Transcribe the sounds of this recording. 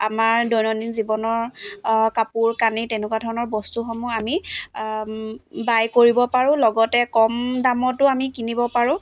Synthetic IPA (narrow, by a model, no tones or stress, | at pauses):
amaɹdɔjnɔninzibɔnɔɹkapuɹkanitɛnɛkwadʱɔɹɔnɔɹbɔstuxɔmɔami | bajkoɹibɔpaɹʊ̃lɔɡɔtɛkɔmdamɔtʊamikinibɔpaɹʊ̃